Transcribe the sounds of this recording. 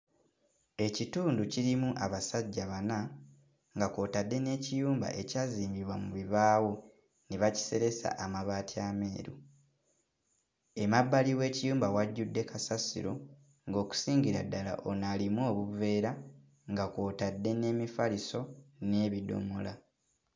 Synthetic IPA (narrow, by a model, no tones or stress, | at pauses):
e̞cituːnduciɾimuʔaβasaɟːaβana | ŋɡako̞ːtadːe̞ne̞ːcijuːmba̰ʔe̞caziːmbiβwamuβiβaːwo | neβaci̥se̞ɾe̞sa̰ʔamaβaːtiame̞ːɾṵ | e̞mabːaliwe̞ːcijuːmbawaɟːudːe̞kʰasasḭɾo̞̰ | ŋɡo̞ːku̥siːɲɟiɾa̰dːala̰ʔonalimwo̞ːβuve̞ːɾa | ŋɡako̞ːtadːe̞ne̞ːmifaliso̞ne̞ːβido̞̰mola